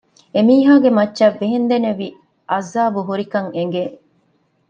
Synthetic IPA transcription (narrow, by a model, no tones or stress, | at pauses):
emiːɦaːɡemɐtːʃɐʋːeɦend̪eneʋi | ʔɐzːaːbuɦuɾikɐŋeŋ̆ɡe